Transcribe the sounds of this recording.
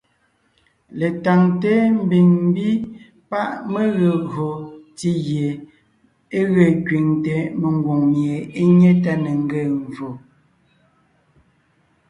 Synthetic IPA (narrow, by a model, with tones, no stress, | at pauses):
le˨ta˨ŋte˦m̩˦bi˨ŋm˦bi˦ | pa˦ʔme˦ɣə˨ɣo˨ti˦ɣje˨ | e˦ɣə˨kɥi˨ŋtɛ˨me˨ŋ˦ɡwo˨ŋmje˨e˦ɲe˦ta˦ne˨ŋ˦ɡe˦˨ɱ˨vo˨